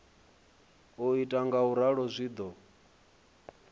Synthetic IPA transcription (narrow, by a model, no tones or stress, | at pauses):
ɔitʼaŋɡauɾaɺɔzʷiːd̪ɔ